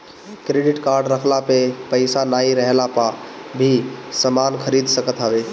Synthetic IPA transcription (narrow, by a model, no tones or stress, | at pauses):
kɾeɖɪʈkaɾɖɾəkʰlapepəɪsanaiɾəɦlapabʱisəmankʰəɾid̪ʱsəkət̪ɦabe